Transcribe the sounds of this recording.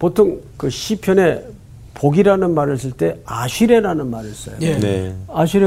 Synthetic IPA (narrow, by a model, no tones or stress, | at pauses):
potʰoŋkɯɕʰipʰjʌne̞ | poɡiɾanɯnmaɾɯs͈ɯɭt͈e̞aɕʰiɾe̞ɾanɯnmaɾis͈ʌ̰joeneaɕ̬ʰiɾe